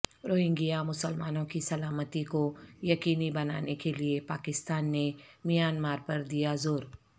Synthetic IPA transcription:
ɾoːɦɪ̃ŋɡijamʊsəlma̰ːnõkisɐlaːmət̪ikojɐkiːnibɐna̰ːnekeliepaːkɪst̪aːnːemijaːnmaːɾpɐɾd̪ijazoːɾ

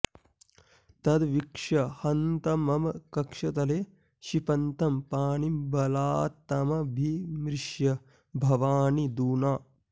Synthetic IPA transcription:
t̪ɐd̪ʋikʂɐhɐnt̪ɐmɐmɐkɐkʂɐt̪ɐleː | ʃipɐnt̪ɐmpaːnimbɐlaːt̪ɐmɐbʱimɾɪʃjɐ | bʱɐʋaːnid̪uːnaː

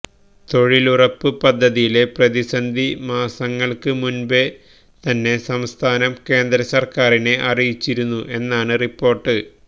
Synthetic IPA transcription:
t̪o̞ɻilurɐpːɨpɐd̪ʱːɐðijile̞prɐðisɐnd̪ʱimaːsɐŋːɐɭkɨmunbe | t̪ɐnːe̞sɐmst̪ʰaːnɐmke̞ːnd̪ɾɐsɐrkaːrine̞ʔɐrijit͡ɕːiɾunːuʔe̞nːaːɳɨripːo̞ːrʈːɨ

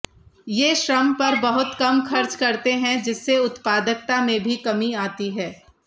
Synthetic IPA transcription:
jeːʃɾɐmpɐɾbɐɦʊt̪kɐmxɐɾt͡ʃkɐɾt̪eɦɛ̃d͡ʒɪsːeʊt̪paːd̪ək̚t̪amẽbʱikɐmiaːt̪iɦɛː

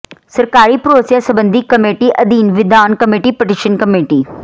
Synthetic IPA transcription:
sɐɾkaːɾipɾoːsjãsɐbə̃nd̪ʱikɐmeːʈiʔɐd̪iːnʋɪd̪aːnkɐmeːʈipɪʈiʃənkɐmeːʈiː

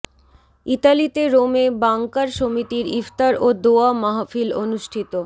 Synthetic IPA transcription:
it̪alit̪eɾomebaŋkaɾʃomit̪iɾift̪aɾod̪oamaɦafilonuʃʈʰit̪o

